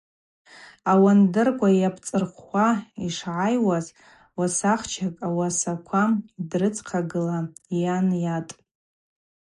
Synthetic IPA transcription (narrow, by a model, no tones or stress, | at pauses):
awandɨrkʷʼajapʰt͡sʼɨrχʷaiʂʕajwaz | wasaχt͡ʃʰakʼawasakʷʰamdrɨt͡sʰʼqʰaɡɨlajanjatʼ